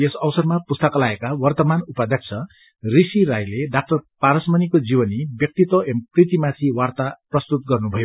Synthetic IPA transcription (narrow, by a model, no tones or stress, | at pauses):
esʌwsʌrmapust̪ʌkʌlaekawʌrt̪ʌmanupʌd̪ʱjʌk̚t͡sʰʌ | risiɾajleɖak̚ʈʌrpaɾʌsmʌnikod͡zibʌnibjʌk̚t̪it̪wʌʔemprit̪imat̪ʰiwart̪aprʌst̪ut̪̚ɡʌrnubʱʌjo